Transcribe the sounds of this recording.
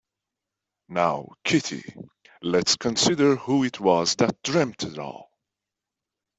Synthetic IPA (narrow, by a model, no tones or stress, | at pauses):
naʊkʰɪɾḭ | lɛtskʰə̃nsɪɾə˞huɪtʰwʌzðət̚d̥ɹɛ̃mp̚tʰɨɾɔ̰lˠ